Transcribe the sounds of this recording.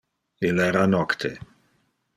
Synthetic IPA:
ilɛɾanɔkt̪ʰe

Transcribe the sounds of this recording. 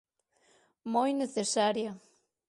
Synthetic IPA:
mojneθesaɾjɐ

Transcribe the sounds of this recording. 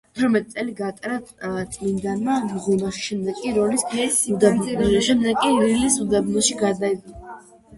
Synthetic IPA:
t̪ʰɾɔmɛt̪ʼit̪sʼɛliɡat̪ʼɾat̪sʼmind̪anmamʁunaχi̥ʃɛmd̪ɛɡkʼiɾɔlisud̪abʃɛmd̪ɛɡkʼililisud̪abnɔʃiɡad̪aida

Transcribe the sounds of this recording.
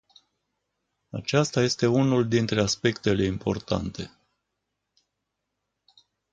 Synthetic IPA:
at͡ʃast̪aje̞st̪e̞unuld̪int̪ɾe̞aspe̞kt̪e̞le̞impʰo̞̰rt̪a̰nt̪e̞

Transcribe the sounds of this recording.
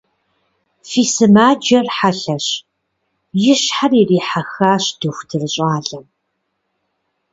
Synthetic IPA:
fiːsɨmaːd͡ʒɐrħaɬɐɕ | jɪɕħaririːħaxaːɕd̥ɨxʷdʰɨrɨɕʼaːɮɐm

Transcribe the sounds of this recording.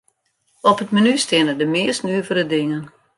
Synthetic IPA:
ɔpətmanystɪənədəmɪəstnyəvəɾədɪŋən

